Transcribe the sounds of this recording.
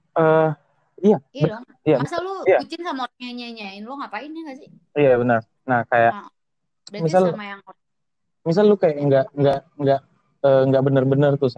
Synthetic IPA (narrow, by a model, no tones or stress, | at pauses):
ə | ijabə | ijamisluijat͡ʃɪnsamaɾaɲaɲaɲaɪnlɔŋapaɪnaŋɡasɪ | ijabənər | nahkajaʔ | mis̬almajaŋ | mis̬alːukajaʔŋɡaʔŋɡaʔ | ŋɡaʔ | əːŋɡaʔbənərbənərt̪ʊs